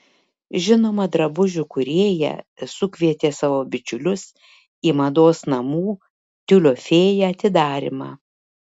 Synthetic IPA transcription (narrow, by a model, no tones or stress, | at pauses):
ʒʲɪnoːmɐd̪ɾɐbʊʒʲʊkʊɾʲeːjɛ̰sʊkʲʋʲiɛt̪ʲeːsɑʋoːbʲɪt͡ʃʲʊlʲʊs | iːmɐd̪oːsnɐmuː | t̪ʲʊlʲoːfʲeːjɛɐt̪ʲɪd̪ɑːɾʲɪ̰mɑ̰ː